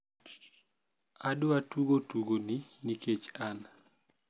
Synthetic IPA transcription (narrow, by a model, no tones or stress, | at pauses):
adʊatuɡotuɡoniniket͡ʃan